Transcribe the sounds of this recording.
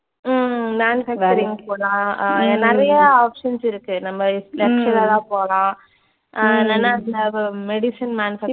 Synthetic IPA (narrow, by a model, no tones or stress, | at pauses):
mmaːnfɐkkɐɾɪŋɡpoːlãːnɛɾɐjɐaːpʂɐnsɪɾɯkːɯnɐmːɐlɛkʂɐlat̪ãːpoːɐlãː | ɛnːɐnːaːɐnd̪ðmɛɽɪsɐnmaːnfɐ